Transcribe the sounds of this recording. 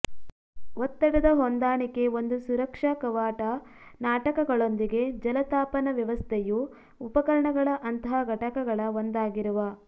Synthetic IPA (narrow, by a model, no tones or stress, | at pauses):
ot̪ːɐɽɐd̪ɐɦond̪aːɳike̞ond̪usuɾɐkʂɐkɐʋaːʈɐnaːʈɐkɐɡɐɭo̞nd̪iɡe̞d͡ʒɐlɐt̪aːpɐnɐʋjɐʋɐst̪ʰejuː | pɐkɐɾɐɳɐɡɐɭɐʔɐnt̪ɐɦɐɡʱɐʈɐkɐɡɐɭɐond̪aːɡiɾuʋɐ